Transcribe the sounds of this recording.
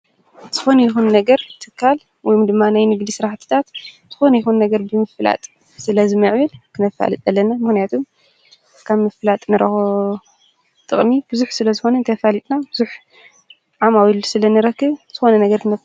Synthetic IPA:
z̥ɨxo̞nɐjɪxunːɐɡɐɾt̪ʰɨkʰːal | wɔjumd̪ɨmːanajnɨɡd̪isɨɾaħt̪ʰɨ̥t̪ʰat̪z̥ɨxo̞nɐjɪxunːɐɡɐɾbɨmɨfɨla̰t̪ʼ | sɨlɐzɨmɨʕβɨlkʰɨnɐfa̰lɨt̪ʼɐlːɐnamɨxnijat̪ʰum | kʰaβmɨfɨlat̪ʼnɨɾɐxo | t̪ʼɨ̰χʼmibɨzuħsɨlɐzɨxo̞nɐnt̪ʰɐfalit̪ʼnabɨzuħ | ʕamawilsɨlɐnɨɾɐkːɨβz̥ɨxo̞nɐnɐɡɐɾkʰɨnɐf

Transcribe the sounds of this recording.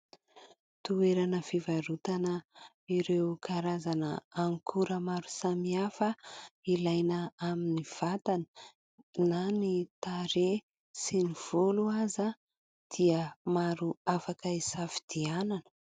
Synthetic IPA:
t̪ueɾanəfivaɾut̪anə | iɾewkaɾazanəaŋkʰuɾəmaɾu̥samiafəilajnəaminiv̥at̪anə̥ | nanit̪aɾe | siniv̥uluaza | d̪̥iəmaɾuafakəisafi̥d̪̥iananə̥

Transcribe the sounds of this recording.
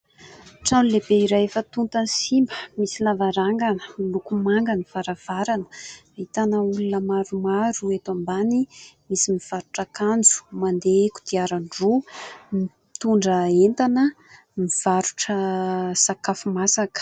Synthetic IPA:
ʈ͡ʂanulebeiɾajefət̪unt̪ansimbəmisilavaɾaŋɡanəlukumaŋɡanifaɾav̥aɾanə̥ | it̪anəulunəmaɾumaɾuet̪ambanimisimiv̥aɾuʈ͡ʂakand͡zu̥mand̪eku̥d̪̥iaɾaɳɖ͡ʐumi | t̪uɳɖ͡ʐəent̪anə | miv̥aɾuʈ͡ʂəsakafumasakə̥

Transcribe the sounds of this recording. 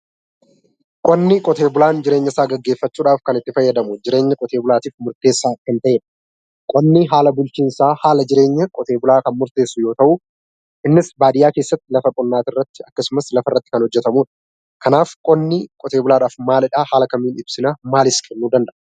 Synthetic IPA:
kʼɔnːɪkʼɔt̪eːbʊlaːnd͡ʒɪɾeːɲːɐsaːɡɐɡːe̞ːfːɐt͡ʃːuːᶑaːfkɐnɪt̪ːɪfɐjːɐd̪ɐmʊd͡ʒɪɾe̞ːɲːɐkʼɔt̪eːbʊlaːt̪iːfmʊɾt̪e̞ːsːaːkɪnt̪ɐʔeːᶑɐ̥ | kʼɔnːiɦaːlɐbʊlt͡ʃiːnsaːhaːlɐd͡ʒɪɾe̞ːɲːɐkʼɔt̪e̞ːbʊlaːkɐnmʊɾt̪e̞ːsːʊjo̞ːt̪ɐʔʊ | ʔɪnːɪsbaːd̪ɪjaːke̞ːsːɐt̪ːɪlɐfɐkʼɔnːaːt̪ɪrːɐt̪ːɪɐkːɐsʊmɐslɐfɐrːɐt̪ːɪkɐnhɔd͡ʒːɛt̪ɐmuːᶑɐ̥ | kʰɐnaːfkʼɔnːɪkʼɔt̪e̞ːbʊlaːɗaːfmaːlɪᶑaːhaːlɐkɐmːiːnɪb̥sɪnamaːlɪskʰʼɛnːuːd̪ɐnd̪ɐʔ

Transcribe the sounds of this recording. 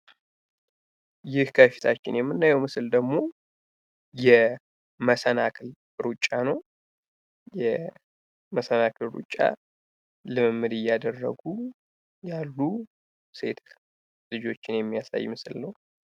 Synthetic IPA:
jɪhkʰəfi̥t̪ʰat͡ʃːɪ̰njɛmːɨnːajɛwmɨsɨld̪əɡmo̞ | jɛ | məsənakʰɨl | ɾut͡ʃʼːanəw | jɛ | məsənakʰɨlɾṵt͡ʃʼːa̰ | lɨmɨmːɨd̪ɨjːad̪ərːə̰ɡu | jalːu | se̞t̪ʰ | lɨd͡ʒo̞t͡ʃːɪnjɛmːijasa̰jːmɨsɨlnəw

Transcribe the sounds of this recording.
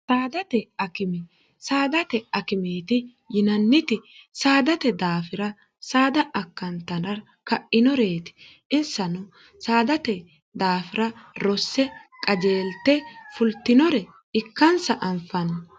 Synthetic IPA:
saːd̪ɐt̪ɛɐkɪmɪ | saːd̪ɐt̪ɛɐkɪmeːt̪ɪ | jɪnɐnːɪt̪ɪsaːd̪ɐt̪ɛd̪aːfɪɾɐ | saːd̪ɐʔɐkːɐnt̪ɐnɐɾ | kɐʔɪnɔɾeːt̪ɪ̥ | ʔɪsːɐnʊ | saːd̪ɐt̪ɛ | d̪aːfɪɾɐɾɔsːɛkʼɐd͡ʒe̞ːlt̪ːɛfʊlt̪ːɪnɔɾɛ | ɪkːɐnsɐʔɐmfɐnɐ

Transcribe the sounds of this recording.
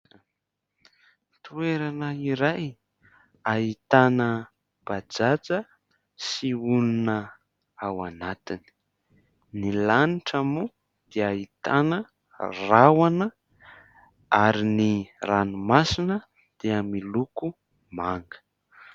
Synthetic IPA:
t̪ueɾanəiɾaj | ait̪anə | b̥ad͡zat͡sə | siulunə | awanat̪ini̥ | nilaniʈ͡ʂamu | d̪̥eait̪anə | rawanə | aɾiniranumasinə | d̪̥eamiluku | maŋɡə̥

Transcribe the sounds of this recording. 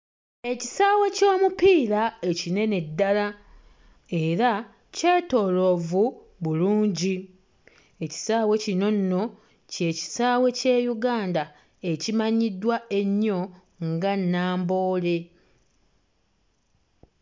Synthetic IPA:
e̞cisaːwe̞co̞ːmupiːɾae̞cine̞ne̞dːala | e̞ɾa | ce̞ːto̞ːlo̞vu | βuluːɲɟi | e̞ci̥saːwe̞cino̞nːo̞ | ce̞ːci̥saːwe̞ce̞ːjuɡaːnda | e̞cimaɲidːwae̞ɲːo̞ | ŋɡanːaːmbo̞ːle̞

